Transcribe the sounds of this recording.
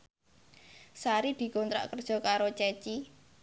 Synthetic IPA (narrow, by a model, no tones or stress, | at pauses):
saɾid̪̥i̤kont̪ɾa̰ʔkərd̥ʒ̥ɔ̤kaɾot͡ʃɛt͡ʃi